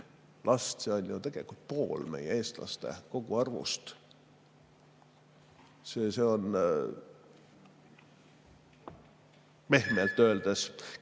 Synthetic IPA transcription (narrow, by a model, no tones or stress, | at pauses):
lʔɑst̪se̞o̞nʲjut̪e̞ɡ̥e̞likult̪̚po̞ːlme̞̰jee̞ːst̪lɑ̰st̪e̞̰ko̞ɡ̥uɑrvṵst̪ | seːse̞o̞n | me̞hmelt̪ːˑø̞eld̪̥es